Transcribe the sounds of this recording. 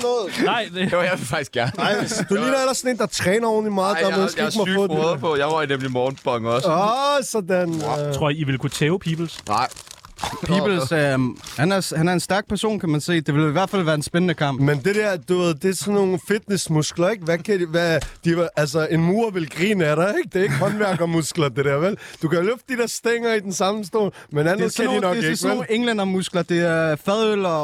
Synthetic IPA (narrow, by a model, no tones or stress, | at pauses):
nɔːð̩ˠnɑ̈ɪd̥ejaɪʋefɑ̈ɡ̥isɡ̥æɐnɑɪd̥uliːnɐelɐsɔ̽ne̝̰ːnd̥ɑ̈t͡sʰʁɛːnɐɔːn̩limɑ̈ːð̩dɑeðsɡeɡ̥mɑɔðˠpʰɔjɑ̈ɪmɔnemlimɔːnb̥ɒŋɒssɒ̽dænʰʁo̝ɐiʋe̝lkʰut͡sʰeːʊpʰiːb̥l̩sɪ | pʰiːb̥l̩ | hænæɐshænæɐe̝nsd̥æɐɡ̥̚pʰæɐso̝̰ːnkʰæmænse̝̰ːd̥e̝ʋe̝liʋæɐ̥fæl̰ʋæːɐdensb̥enənəkʰɑ̈m̰b̥mend̥e̝d̥æɐd̥uʋeð̰ˠd̥e̝æsɒnːo̝ːn̩fid̥nesmusɡ̥lɐeɡ̥ʋækʰædiʋæd̥iæls̬ɐe̝nmuːɐʋe̝lɡ̥ʁḭːnəæɾ̥ɑeɡ̥̚d̥e̝ɐe̝ɡ̥əhɒ̽nʋæɐɡ̥ɐmusɡ̥lɐd̥e̝ɾ̥æɐʋeld̥ukæjoløfd̥əd̥id̥eɐsd̥eŋɐid̥ensɑ̈məsd̥o̝̰ːlmenænˠsæninɒɡe̥sːn̩eŋlenɐmusɡ̥lɐd̥e̝æɐfɛðˠøl̰